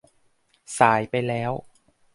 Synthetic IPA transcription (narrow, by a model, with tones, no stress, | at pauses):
saː˩˦jpa˧jlɛː˦˥w